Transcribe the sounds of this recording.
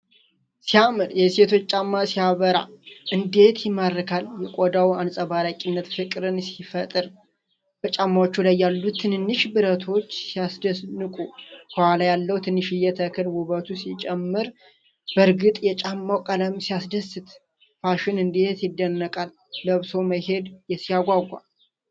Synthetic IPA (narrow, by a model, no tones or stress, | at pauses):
siamɨɾjɛset̪ʰo̞t͡ʃːt͡ʃʼːamːasijaβəɾa̰ʔɨnd̪e̞t̪jɪmːaɾɨkʰaljɛkʼod̪awansʼabalakʼinːət̪fɨkʼɾɨnsifət̪ʼɨɾ | b̥ət͡ʃʼamːawot͡ʃːulajːalːut̪ʰːɨnnːɨʃbɨɾət̪ʰo̞t͡ʃːsijasd̪əsnɨkʼukʰəwalajalːəwut̪ʰɨnːɨʃɪjɛt̪ʰəkʰɨlwuβət̪ʰusit͡ʃʼɛmːɨɾ | bəɾɡɨt̪ʼjɛt͡ʃʼamːawkʼələmsijasd̪əsɨt̪ | faʃɪnɨnd̪e̞t̪jɪd̪ːənːəkʼalː | əβso̞məhe̞d̪jɛsijaɡʷaɡʷːa̰